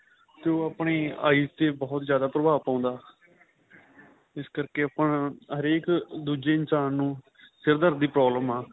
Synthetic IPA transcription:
t̪eoːaːpɳeːa̰ːiːst̪eːbɔːt̪zjaːd̪aːpɾəbaːpãːnd̪aː | ɪskəɾkeːəpəɳɦəɾeːkd̪uːd͡ʒeːɪnsaːnːũː | sɪɾd̪əɾd̪iːpɾɔːbləmaː

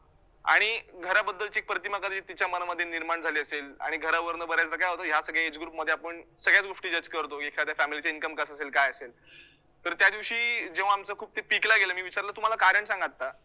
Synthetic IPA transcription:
a̰ɽ̃iɡʱəɾabəd̪ːəlt͡ɕek̚pɾət̪imakəd̪ʱit̪it͡ɕjamənaməd̪ʱːjeniɾmaɳd͡zʱaliːəsela̰ɽ̃iɡʱəɾaʋəɾnəbəɾjat͡səkajaɦot̪əɦjasəɡɭjaed͡zɡɾuːpməd̪ʱːeapəɳsəɡɭjat͡sɡoʂʈiːd͡ʑəd͡ʑkəɾt̪oɡekʰat̪jafæmilit͡sainkəmkəsaselkajəsel | t̪əɾt̪jad̪iʋɕiːd͡ʑeʋ̤aːmt͡səkʰuːb̚t̪epiklaɡelamiːʋit͡ɕaɾlat̪um̤alakaɾjəɳsãŋɡat̪ːa

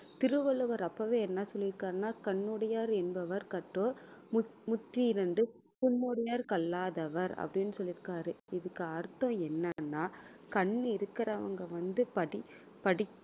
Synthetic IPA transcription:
t̪ɪɾɯʋɐɭɯʋɐɾɐpːɐʋeːɛnːaːsɔlːɪɾɯkːaːɾnaːkɐɳːɔɽɐjaːɾɛnbɐʋɐɾkɐʈːoːmmʊt̪ːiɪɾɐnɖɯ | pʊnːoːɽɐjaːɾkɐlːaːðɐʋɐɾɐ̰pːɐɽɪnːɯsɔlːɪɾɯkːaːɾɯɪðɯkːɯɐɾt̪ːõɛnːɐnːaːkɐɳːɪɾɯkːɐɾɐːʋɐ̰ŋɡɐʋɐnd̪ɯpɐɽɪ | pɐɽɪ

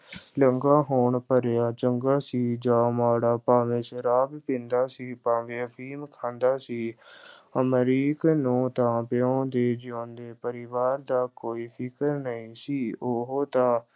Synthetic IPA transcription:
ləŋɡaːɦoːɳpəɾjaːt͡ʃəŋɡaːsiːd͡ʒaːmaːɽaːpaːʋẽːʃəɾaːbpɪ̃nd̪aːsiːpaːʋẽːfʰiːmkʰãːnd̪aːsiː | əməɾiːknũːt̪ãːpeõːd̪eːd͡ʒɪõːnd̪eːpəɾɪʋaːɾd̪aːkoːiːpʰɪkəɾnəĩːsiːoɦoːt̪ãː

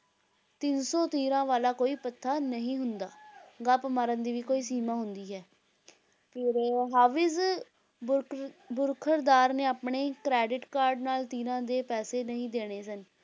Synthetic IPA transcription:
t̪ɪnsɔːt̪iːɾãːʋaːlaːkoːiːpət̪ʰːaːnəɦĩːɦʊnd̪aːɡaːpmaɾənd̪iːʋiːkoːiːsiːmãːɦʊnd̪iːɦɛː | pʰɪɾɦaːʋɪz | bʊɾkʰəɾd̪aːɾnẽːaːpɳeːkɾɛːɖɪʈkaːɾɖnaːlt̪iːɾãːd̪eːpɛːseːnəɦĩːd̪eːɽ̃eːsən

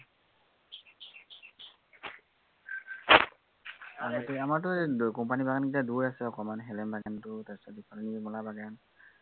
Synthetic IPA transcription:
aɡatʊamaɹtʊkɔmpanibaɡankitaduɹasɛɔkɔmanɦɛlɛmbaɡantʊtasadipʰɔɹnimɔlabaɡan

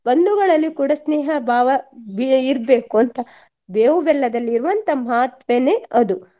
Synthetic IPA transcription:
bɐnd̪uɡɐɭɐlːikuːɽɐsneːɦɐbʱaːʋɐbiiɾbeːkuɐnt̪ɐ | beːʋɐbɛlːɐd̪ɐlːiːɾuʋɐnt̪ɐmaːt̪ʋeneɐd̪u

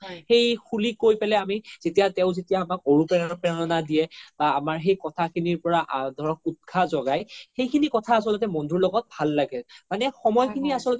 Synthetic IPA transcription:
xejxʰulikojpɛlɛamizetijatɛʊ̃zetijaːmak̚oɹupɛpɛɔnɔnadijɛb̥aːmaɹxejkɔtʰakʰiniɹpɔɹaʔadʱɔɹɔk̚ut̚kʰazɔɡajxejkʰinikɔtʰaːsɔlɔt̬ɛmɔndʱuɹlɔɡɔt̚bʱalːaɡɛmanɛxɔmɔjkʰiniasɔlɔtɛ

